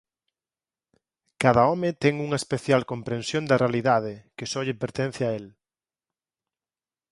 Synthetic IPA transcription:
kaðaɔmet̪ɛŋuŋɐespeθjalkompɾẽnsjõnd̪ɐrealiðað̞ekesɔʎepeɾt̪en̟θjɪael

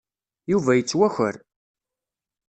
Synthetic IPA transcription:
juvæjət͡sːwæçəɾ

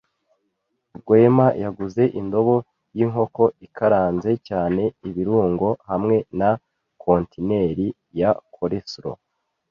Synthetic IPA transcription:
ɡwe̞majaɡuze̞ʔindo̞βo̞ | jiːŋɦo̞ko̞ikʰaɾaːnze̞caːne̞iβiɾuːŋɡo̞hamŋe̞na | kʰo̞ntine̞ɾi | jakʰoɾesɾo̰

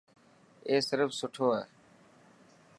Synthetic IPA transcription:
eːsɪɾəfsʊʈʰoːaː

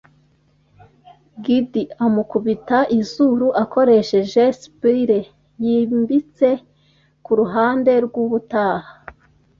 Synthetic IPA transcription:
ɡidiamukuβitaʔizuɾuʔako̞ɾe̞ʃe̞ʒespiɾe | jiːmbit͡se̞ | kuɾuɦaːnde̞ɾɡwuβutaːha

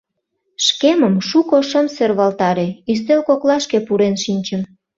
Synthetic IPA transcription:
ʃkeməmʃukoʃəmserβɑlt̪ɑɾeyst̪elkoklɑʃkepuɾenʃinʲt͡ɕəm

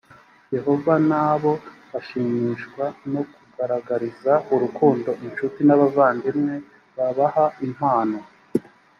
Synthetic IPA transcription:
je̞ɦo̞vanaβo̞βaʃiːɲiʃkwano̞kuɡaɾaɡaɾizauɾukuːndo̞ʔinʃutinaβavaːndimŋe̞ | βaβahaim̥haːno̞

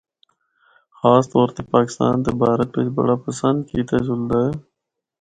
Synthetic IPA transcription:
xaːst̪ɔːɾt̪eːpaːkɪ̥st̪a̰ːnt̪eːbʱaːɾeped͡ʒbə̰ɽaːpəsənd̪kiːt̪aːd͡ʒʊld̪aːɦeː

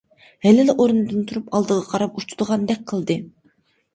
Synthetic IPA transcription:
hɛlɪlɪʔoɾnɨd̪ɨnt̪ʰuɾupɑlˠd̪əʁɑqʰɑɾɑp̚ut͡ʃud̪əʁɑnd̪ɛk̚ʲqʰəlˠd̪ɨ

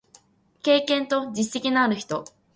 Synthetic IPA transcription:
ke̞ːkẽ̞nt̪o̞d͡ʑisse̞kʲinaːɾɯ̟çi̥t̪o̞

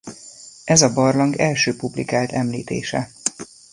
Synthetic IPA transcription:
ʔɛzɒbɒrlɒŋɡɛlʃøːpublḭkaːlt̪ɛmliːt̪ḛːʃɛ

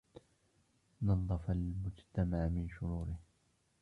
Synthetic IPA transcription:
nɑd̪ˤːɑfalmʊd͡ʒt̪amaʕmɪnʃʊɾuːɾɪh

